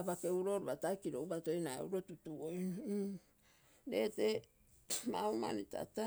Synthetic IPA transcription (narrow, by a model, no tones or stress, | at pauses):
pakeuɾo̞ɾuβataekiɾoubatojnaḛuɾo̞tutuoj | ɾḛːte | mauma̰nita̰ta